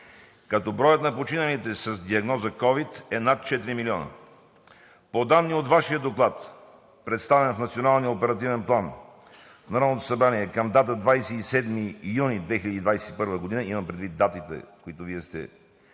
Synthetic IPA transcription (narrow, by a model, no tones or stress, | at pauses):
kɐt̪ɔbɾɔjət̪nɐpot͡ʃinəlit̪ɛsɐzd̪iɐɡnɔzəkɔvit̪ɛnat̪̚t͡ʃɛt̪iɾimiliɔnə̰ | pod̪anːiot̪vaʃiəd̪oklˠat̪ | pɾɛt̪st̪avɛnfnɐt̪sionalˠniəopɛɾɐt̪̬ivɛnplˠan | fnɐɾanot̪o̥sɐbɾaniɛkəmd̪at̪əd̪vajsɛisɛd̪mijunid̪vɛxilʲəd̪iːd̪vajsɛ̥t̪ipɤɾvəɡod̪inəimɐmpɾɛd̪vit̪̚d̪at̪it̪ɛ̰koit̪ʊviɛst̪ɛ̰